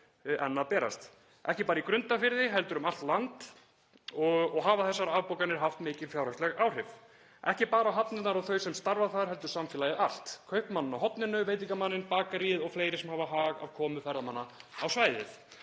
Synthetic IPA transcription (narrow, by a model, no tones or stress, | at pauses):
ʔɛnːapɛːɾa̰st̪ | ʔɛhcɪpaːɾaikɾʏnt̪afɪɾðɪɦɛlt̪ʏɾʏmalt̪lant̪ | ɔɣɔɣɦaːvaθɛsːaɾaðpowkanɪɾ̥ɦaft̪mɪːcɪð̥fjawɾast̪ɛɣaːwr̥ɪv | ɛhcɪpaːɾaɦapnɪt̪naɾawθœɥsɛmst̪aɾvaθaðɾ̥ɦɛl̪t̪ʏɾ̥samfɛlaːjɪʔal̥t̪kʰœɥhpmanːʏnaɦɔt̪nɪnːʏvejt̪̬ɪiŋckamanːɪnpaːkaɾiðɔɣfleːjɾɪsɛmhavaɦaːɣa̰vkʰɔːmʏfɛɾðamanːaawsvaːjðɪ̰θ